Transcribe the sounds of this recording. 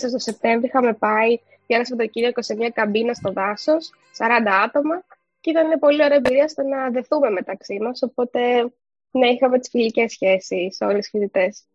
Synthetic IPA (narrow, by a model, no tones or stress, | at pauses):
sɐst̪o̞se̞p̚t̪e̞ɱvɾiixɐme̞pɐi | jɐnɐsɐpt̪ociɾiɐiko̞sieɲɲɐkɐmbinɐst̪o̞ðɐso̞sːɐɾɐnd̪ɐɐt̪o̞mɐ | ceit̪ɐninepo̞lio̞ɾeebiɾiɐst̪enɐðe̞θume̞me̞t̪ɐksimɐso̞po̞t̪e̞ | nɐixɐmet̪i̥sfilice̞sçe̞sisːeo̞lesfiðit̪e̞s